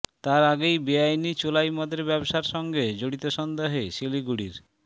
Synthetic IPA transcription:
t̪aɾaɡejbiajnit͡ɕolajmɔd̪ɾeɾbɛboʃaɾʃɔŋɡed͡ʑoɽit̪oʃɔnd̪aɦeʃeliɡuɽiɾ

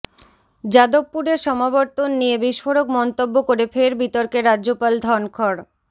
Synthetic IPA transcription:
d͡ʑad̪ob̚pːuɾeɾʃɔmabɔɾt̪onːijebiʃfoɾokmɔnt̪obːokoɾefeɾbit̪oɾkeɾadʑopald̪ʱɔnkʰɔɾ

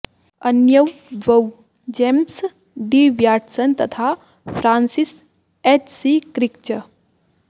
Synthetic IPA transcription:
ɐnjəw | ʋɐw | d͡ʒems | ɖiʋjaːʈsənt̪ɐt̪ʰa | pʰɾaːnsis | et͡ʃsikɾikt͡ʃə

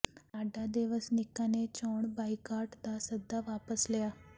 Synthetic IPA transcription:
aɖad̪eʋəsnikːanet͡ɕoɳbajkaʈt̪asəd̪ʱːaʋapəslja

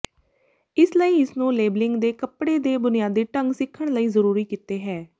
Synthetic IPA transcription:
ɪsləiːɪsnũːleːblɪŋɡd̪eːkəpɽeːd̪eːbʊnɪjaːd̪iːʈəŋɡsɪkʰːəɳ̃ləiːzəɾuːɾiːkiːt̪eːɦɛː

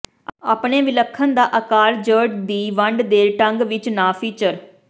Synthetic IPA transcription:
aːpɳeːʋɪləkʰːənd̪aːʔəkaːɾd͡ʒəːʈd̪iːʋəɳɖd̪eːɾʈəŋɡʋɪt͡ʃnãːpʰiːt͡ʃəɾ

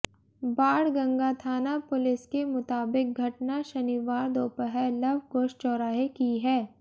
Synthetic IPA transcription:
baːɽɡɐ̃ŋɡat̪ʰaːnapʊlɪskemʊt̪aːbɪk̚ɡʱɐʈnaʃɐniʋaːɾd̪oːpəɦɛlɐbʱkoːʃt͡ʃɔːɾaːɦikiɦɛː

